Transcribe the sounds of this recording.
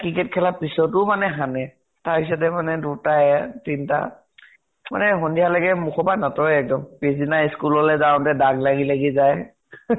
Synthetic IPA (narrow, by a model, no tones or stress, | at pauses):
kikɛtkʰɛlapisɔtʊmanɛɦanɛ | taɹpis̬ɔtɛmanɛdutaɛtinta̰ | ma̰nɛɦɔndialaɡɛmukʰɔbanatɔɛk̚dɔmpisdinaiskulɔlɛzaw̃ntɛdaɡlaɡilɛɡizaj